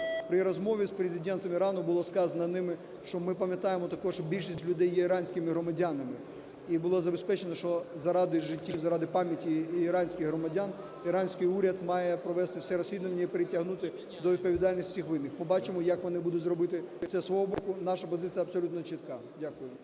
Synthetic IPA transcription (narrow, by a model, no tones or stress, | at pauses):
pɾɪɾɔzmɔʋʲispɾezʲɪdʲɛnt̪ɔmiɾɑnʊbʊlˠɔskɑzɐnɐnɪmɪ | ʃt͡ʃɔmɪpɐmʲjɐt̪ɑjemɔt̪ɐkɔʂbʲilʲʃisʲtʲlʲʊd̪ɛjːɛiɾɑnʲsʲkɪmɪɦɾɔmɐdʲanɐmɪ | ibʊlˠɔzɐbespɛt͡ʃenɐʃt͡ʃɔzɐɾɑd̪ɪʒɪtʲːizɐɾɑd̪ɪpɑmʲjɐtʲiːɾɑnʲsʲkʲɪɣɦɾɔmɐdʲan | iɾɑnʲsʲkɪjuɾʲɐd̪mɑjɛpɾɔʋɛst̪ɪwsɛɾɔsʲʋʲid̪ʊʋɐnʲːɐipeɾetʲːɐɦnut̪ɪ | d̪ɔʋʲid̪̚pɔʋʲid̪ɑlʲnʲisʲtʲixʋɪnːɪxmɪbɑt͡ʃɪmɔjɐkʋɔnɪbud̪ʊtʲzɾɔbɪt̪ɪsɛsʋɔɦɔbɔkʊnɑʃɐpɔzɪt͡s̪ʲijɐpsɔlʲut̪nɔt͡ʃit̪kɑ | dʲakʊjʊ